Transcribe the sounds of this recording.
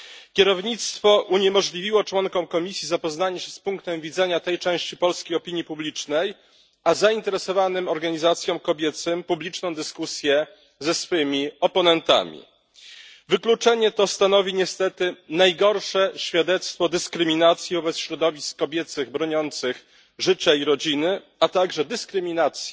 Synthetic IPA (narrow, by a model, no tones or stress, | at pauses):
kʲɛɾɔvɲit̪st̪fɔʔuɲɛmɔʐlʲivʲiwɔt͡ʂwɔŋkɔmkɔmʲisʲjizapɔznaɲɛɕɛspuŋkt̪ɛmvʲid̪zɛɲat̪ɛjt͡ʂɛ̃w̃ɕt͡ɕipɔlskʲejɔpʲiɲjipublʲit͡ʂnɛj | azaint̪ɛɾɛsɔvanɘmɔɾɡaɲizat̪sʲjɔ̃w̃kɔbʲjɛt̪sɘmpublʲit͡ʂnɔ̃w̃d̪ɘskusʲjɛ | zɛsfɘmʲiɔpɔnɛnt̪a̰mʲḭ | vɘklut͡ʂɛɲɛt̪ɔst̪an̪ɔvʲiɲɛst̪ɛt̪ɘnajɡɔɾʂɛɕfʲjad̪ɛt̪st̪fɔd̪ɘskɾɘmʲinat̪sʲjivɔbɛt̪sɕɾɔd̪ɔvʲiskːɔbʲjɛt̪sɘɣbɾɔɲɔnt̪sɘx | ʐɘt͡ɕaiɾɔd͡ʑinɘ | at̪aɡʐɛd̪ɘskɾɘmʲinat̪sʲji